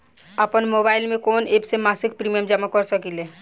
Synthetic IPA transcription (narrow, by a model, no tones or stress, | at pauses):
əpənmoːbaːɪlmẽkoːneːbsemaːsɪkpɾiːmijəmd͡ʒəmakəɾsəkileː